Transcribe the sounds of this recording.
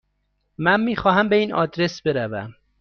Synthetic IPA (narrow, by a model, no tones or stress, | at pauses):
mænmiːxɒːɦæmbe̞iːnʔɒ̰ːd̪ɾe̞sbe̞ɾævæ̰m